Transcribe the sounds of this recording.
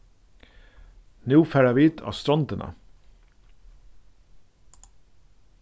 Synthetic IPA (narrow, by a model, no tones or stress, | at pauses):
nuːfæːɾæʋiːt̪ʰɑ̰ːst̪ɾɔnt̪ənʔə̰